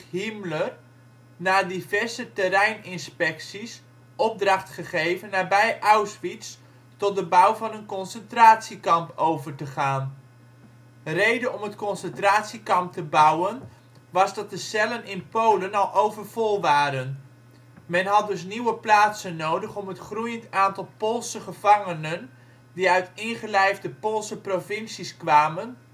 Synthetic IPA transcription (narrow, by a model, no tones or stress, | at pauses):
ɦimlər | naːdivɛɹzətərɛjnɪnspɛksis | ɔb̚drɑχtχəχejvənːaːbɛjʔawsʋits | tɔt̚dəbawvɑnənkɔnsəntraːtsikɑmpowvərtəχaːn | rejdəɔmətkɔnsəntraːtsikɑmp̚təbʌwən | ʋɑzdɑt̚dəsɛlənɪnpowlənɑlˠʔowvəɹvɔlˠʋaːɾən | mɛnɦɑt̚dɵs̬niwəplaːtsənːowdəχɔmɦətχrujəntaːntɑlˠpolˠsəχəvɑŋənən | diœɥtɪŋχəlɛjvdəpolˠsəprovɪnsiskʋaːmən